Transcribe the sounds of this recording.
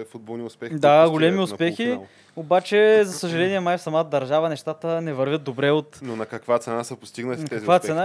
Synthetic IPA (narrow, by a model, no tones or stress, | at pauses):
fud̪̚bolˠniʊspɛd̪aɡolɛmiʊspɛxi | obat͡ʃɛzɐsəʒɐlɛniɛmajfsɐmat̪əd̪ɐɾʒavənɛʃt̪at̪ənɛvɐɾvʲət̪̚d̪obɾɛot̪nonɐkɐkvat̪sɛnasɐpost̪iɡnəlit̪ɛkkvat̪sɛna